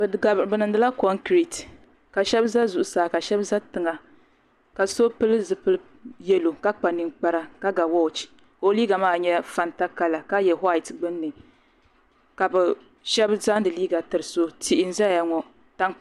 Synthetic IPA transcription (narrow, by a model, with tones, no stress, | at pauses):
bɨ˨ɡa˨bɾbɨ˨nɨ˨n˦dɨ˦la˦kɔ˦ŋkɾi˨t | ka˨ʃɛ˦bza˦zu˨ʔʊ˨saː˨ka˨ʃɛ˦bza˦tɨ˨ŋa˨ | ka˨so˦pɨ˦lɨ˦zɨ˨pɨ˦lɨ˦ | jɛ˦lo˨ka˦k͡pa˨nɨ˨ŋk͡pa˦ɾa˦ka˦ɡa˨wɔ˦˨t͡ʃi̥˨ | ko˦liː˦ɡa˨maː˦ɲɛ˦fa˨nta˦ka˦la˨ka˦jɛ˨ɦa˦˨i˨tɡ͡bɨ˦nːɨ˨ | ka˨bɛ˨ | ʃɛ˦bza˦n˦dɨ˨liː˦ɡa˨tɨ˨ɾɨ˨so˦ti˦ʔɪ˦n̩˦za˦ja˦ŋɔ˨ | ta˦ŋ